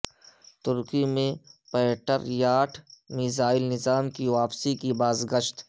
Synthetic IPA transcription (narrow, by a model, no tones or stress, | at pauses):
t̪ʊɾkimẽpɛːʈəɾjaːʈʰmiːzaːɪlnɪzaːmkiʋaːpsikibaːzɡəʃt̪